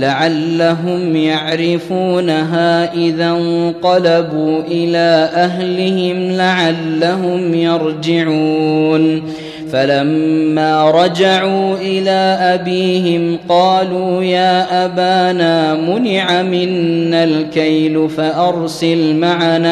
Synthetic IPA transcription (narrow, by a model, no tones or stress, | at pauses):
laʕalːaɦʊmjaʕɾɪfuːnaɦaːʔɪðant̪ɑlabuːʔɪlaːʔaɦlɪhɪmlaʕalːaɦʊmjɑɾˤd͡ʒɪʕuːn | falamːaːɾˤɑd͡ʒaʕuːʔɪlaːʔabiːɦɪmqɑːluːjaːʔabaːnaːmʊnɪʕamɪnːalkajlfaʔɑɾˤsɪlmaʕanaː